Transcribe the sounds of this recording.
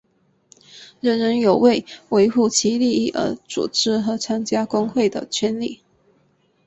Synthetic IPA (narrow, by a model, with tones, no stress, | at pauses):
ɻə˥˩nɻə˧˥njo˨˩ʊwe˥˨˩ɪwe˧˥ɪxu˥˩t͡ɕʰi˧˥li˥˧i˥˩ʔə̰˧˥t͡sṵ˨˩ʈ͡ʂɻ̩˥xɤ˧˥t͡sʰa˥nt͡ɕja˥kʊ˥ŋxwe˥˩ɪd̪ə̰˨˩t͡ɕʰɥɛ˥nli˥˩